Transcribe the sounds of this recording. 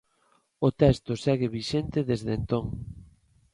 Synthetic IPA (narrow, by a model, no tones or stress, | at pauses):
ot̪ɛst̪osɛɣeβiʃent̪ɪðezðent̪oŋ